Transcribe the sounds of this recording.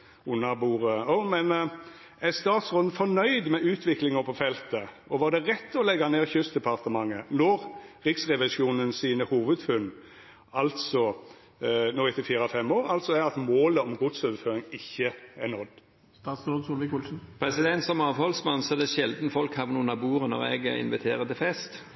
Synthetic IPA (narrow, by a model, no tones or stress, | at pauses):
ʊnːɑbuːʁəɔmɛn | æst̪ɑːt̪sʁoːd̪n̩fɔnœʏd̪mɛʉːt̪ʰʋɪklɪŋəpʰɔfɛlt̪ə | ɔʋɑd̪ɛʁɛt̪ːɔlɛɡɑneːʁçʉst̪d̪ɛpʰɑʁt̪əmɑŋːənɔʁʁɪksʁɛʋɪʃjuːnənsiːnəhuːʋəd̪fʉnː | ɑlt̪sɔ | noːɪt̪ɪfiːɾɑfɛmoːɾɑlt̪sɔæɾɑt̪moːləɔmɡʊd̪søːʋəføːɾɪŋɪçːəænɔd̪ | st̪ɑːt̪sɾoːd̪suːlʋɪkulsn̩pʰɾɛsɪd̪ɛnt̪sɔmɑːʋhɔlsmɑnsɔd̪ɛʃɛld̪nəfɔlkhɑʋnuːnɑbuːɾənɔ̰ʁɛ̰ɡɪ̰nʋɪt̪ʰeːʁət̪ɪfɛst̪